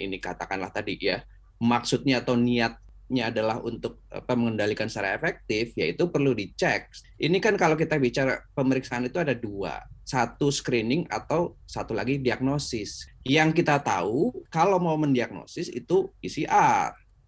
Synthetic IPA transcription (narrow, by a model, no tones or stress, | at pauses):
ḭnikat̪akanla̰ht̪adija | maksut̪̚ɲaːt̪awniat̪̚ | ɲaːdalahṵnt̪ʊk̚a̰paməŋəndalikansaɾa̰efɛk̚t̪ɪfja̰ḭt̪upərludit͡ʃɛk̚ʔinikankalawk̬it̪abit͡ʃaɾapəməɾiksaːnit̪uadadua̰sat̪uskɾinɪŋa̰t̪awsat̪ulaɡidiak̚nosɪsjaŋkit̪at̪a̰ukalawmaməndiak̚no̰sɪsḭt̪uisiʔar